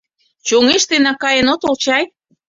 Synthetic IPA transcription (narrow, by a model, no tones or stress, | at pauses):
t͡ɕoŋeʃt̪enɑkɑjənot̪olt͡ɕɑj